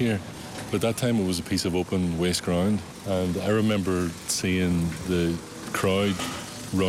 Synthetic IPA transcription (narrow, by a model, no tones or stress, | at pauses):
iɹ | b̥ʌt̪̚ðətʰãɪ̃mɪt̚wʌzəpʰisəvopə̃nwesɡ̥ɹãʊ̃nd | ə̃naɪɹɪmɛ̃mbə˞siɪ̃ŋðə | kʰɹ̥aɪʊd | ɹʌ̃